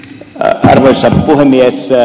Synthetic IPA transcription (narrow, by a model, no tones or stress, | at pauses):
ɑ̰rʋoisɑppuhemːies